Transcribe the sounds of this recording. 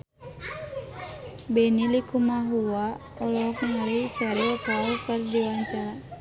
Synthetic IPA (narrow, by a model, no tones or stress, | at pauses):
bɛnilikumaɦuwa | ɔlɔk̚nialisaɾiɔkalkərdiwaɲt͡ʃa